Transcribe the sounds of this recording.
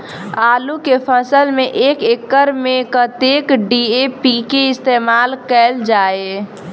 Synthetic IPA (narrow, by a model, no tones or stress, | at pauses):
aːlukepʰəsəlmẽʔeːkekːəɾmẽkət̪eːkɖiepikeɪst̪eːmaːlkɛːld͡ʒaːe